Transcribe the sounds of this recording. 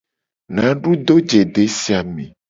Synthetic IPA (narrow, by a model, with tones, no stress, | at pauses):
nã˨˦ɖu˦d̪o˦d͡ʒe˨ɖe˨˦si˦a˨mẽ˨